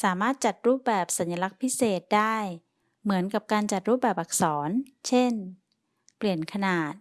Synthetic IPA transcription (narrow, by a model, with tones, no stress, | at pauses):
saː˩˦maː˥˩t̪̚t͡ɕa˨˩t̪̚ɾuː˥˩p̚bɛː˨˩p̚sa˩˦nja˧la˦˧˥k̚pʰi˦˥seː˨˩t̪̚daː˥˩j | mɯ˩˦ənka˨˩p̚kaː˧nt͡ɕa˨˩t̪̚ɾuː˥˩p̚bɛː˨˩p̚ʔa˨˩k̚sɔː˩˦n | t͡ɕʰe˥˩n | pli˨˩ənkʰa˧naː˨˩t̪̚